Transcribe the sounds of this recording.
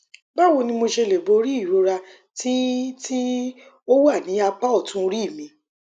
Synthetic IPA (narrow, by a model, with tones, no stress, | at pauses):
ba˦˨wo˧nĩ˧mo˧ʃe˧le˨bo˨˧˦ɾi˦i˦˨ɾo˨˧ɾa˧ | tʰi˦tʰi˦ | o˦wa˦˨nĩ˨˦a˧k͡pa˦ɔ˦˨tũ˧ɾi˦˨mĩ˨˧˦